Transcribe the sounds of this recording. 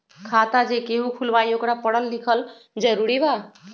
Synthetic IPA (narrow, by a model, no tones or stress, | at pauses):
kʰat̪ad͡ʒekeɦũkʰulbajokɽapəɽəld̪ikʰəl | d͡ʒəɾuɾiba